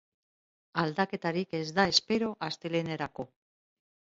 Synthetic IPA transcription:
ald̪ake̞t̪aɾike̞zd̪ae̞spe̞ɾo̞ʔast̪e̞leneɾako̞

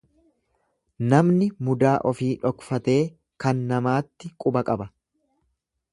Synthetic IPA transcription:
nɐmnɪmʊd̪aːʔɔfiːᶑɔkfɐt̪e̞ː | kɐnːɐmaːt̪ːɪkʼʊbɐkʼɐbɐ

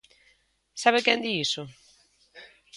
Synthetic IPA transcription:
saβekɛnd̪iisʊ

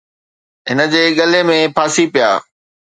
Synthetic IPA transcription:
ɦɪnə̆d͡ʑeːɠɐlemẽpʰaːsipija̰ː

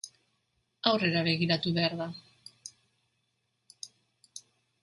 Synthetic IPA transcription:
awre̞ɾaβ̞e̞ɣiɾat̪uβe̞aɾða

